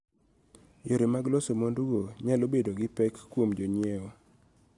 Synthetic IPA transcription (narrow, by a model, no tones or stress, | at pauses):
joɾemaɡlɔsemonduɡoɲalobedoɡɪpɛkːwomd͡ʒoɲjeo